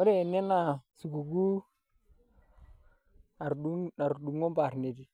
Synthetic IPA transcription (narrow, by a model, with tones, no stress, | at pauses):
o˦ɾe˦˨ne˦na˨su˨ɡu˨ɡu˦ | a˨ɾu˦a˨ɾdu˨ŋo˦mba˨ɾne˨di˨